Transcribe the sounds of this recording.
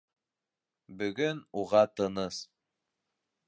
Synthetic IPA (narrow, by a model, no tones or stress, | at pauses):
bɵ̆ɡɵnuʁɑt̪ɤ̆nɤs